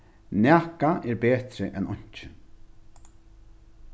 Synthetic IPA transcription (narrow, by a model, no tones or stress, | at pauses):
næːkaʔɛɾɹbeːt̪ɾɪʔɛnɔɲ̥t͡ʃɪ